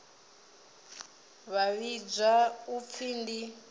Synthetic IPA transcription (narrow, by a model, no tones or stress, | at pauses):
βaβid͡ʒʷaup̪fʰiːndi